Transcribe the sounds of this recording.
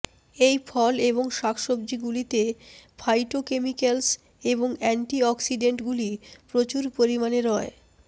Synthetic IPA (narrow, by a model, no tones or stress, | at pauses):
ejfʰɔleboŋʃakʰʃobd͡ʑiɡulit̪efʰajʈokemikels | eboŋɛɳʈiɔksiɖeɳʈɡulipɾot͡ɕuɾpoɾimaneɾɔe